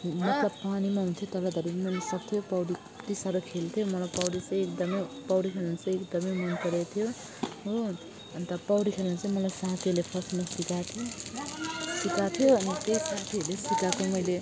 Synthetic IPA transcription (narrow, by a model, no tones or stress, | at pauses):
mʌkapanimaɦunt̪ʰjot̪ʌlad̪ʱʌɾemʌjlesʌkt̪ʰijopʌwɽi | t̪isaɾʌkʰelt̪ʰijomʌlajpʌwɽit͡sʌ̃j̃ekd̪ʌmʌpʌwɽikʰelʌnt͡sʌ̃j̃ekd̪ʌmʌjmʌnpʌɾet̪ʰijo | o | ʌnit̪ʌpʌwɽikʰelant͡sʌĩmʌlajsat̪ʰiʌɾlepʰʌrsmasikat̪ʰijo | sikat̪ʰijoʌnit̪eisat̪ʰiʌlesikakomʌjle